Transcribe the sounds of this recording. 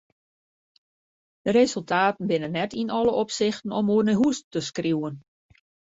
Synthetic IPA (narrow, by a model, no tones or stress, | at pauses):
d̥əɾezəlˠtʰaːtən̩bɪnənːɛtinɔləʔɔpsɪxtən̩ɔmuərnəɦustəskriwən